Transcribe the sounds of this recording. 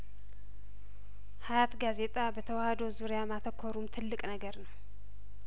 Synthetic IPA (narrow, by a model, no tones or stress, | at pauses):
hajat̪ɡaze̞t̪ʼabət̪ʰəwahəd̪ozuɾjamat̪ʰəkʰːoɾumt̪ʰɨlːɨkʼnəɡəɾnəw